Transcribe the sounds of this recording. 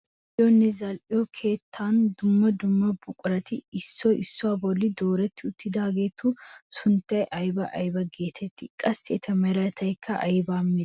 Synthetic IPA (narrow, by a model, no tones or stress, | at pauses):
jonːɛzɐlʔɪɔkʰe̞ːt̪ʰːaːnd̪ʊmːɐd̪ʊmːɐbʊkʼʊɾɐt̪ɪɪsːɔʔɪsːʊaːbɔlːɪd̪oːɾɐt̪ːɪʊt̪ːɪd̪aːɡeːt̪ːuːsʊnt̪ːɐjʔɐjbɐʔɐ̰jbɐɡe̞ːt̪ʰɛt̪ːɪkʼɐst̪ɛt̪ʰɐmɛɾɐt̪ʰɐjkʰːɐʔɐjbaːmːɪ